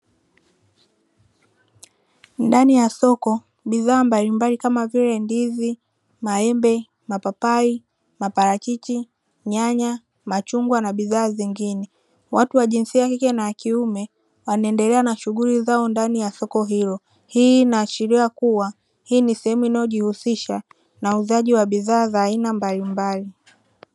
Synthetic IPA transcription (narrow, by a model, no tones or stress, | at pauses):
ndanijasɔkɔ | ɓiðaːmbalimbalikamaviɾɛndizi | maɛmbɛ | mapapai | mapaɾakit͡ʃi | ɲaɲa | mat͡ʃuŋɡwanaɓiðaːziŋɡinɛ | wʔatuwaʄinsiakikɛnaakiumɛ | wanaɛndɛlɛanaʃuɠulizaɔndanijasɔkɔɦilɔ | hiːnaːʃiɾiakuwa | hiːnisɛhɛmuinajɔʄihusiʃa | nauzaʄiwaɓiðaːzaːinambalimbali